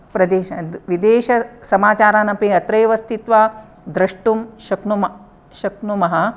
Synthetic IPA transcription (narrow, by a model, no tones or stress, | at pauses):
pɾɐd̪eːʃɐʋid̪eːʃɐsɐmaːt͡ʃaːɾaːnɐpiɐt̪ɾɐjʋɐst̪ʰit̪ʋaː | d̪ɾɐʂʈumʃɐknumɐ | ʃɐknumɐɦɐ̆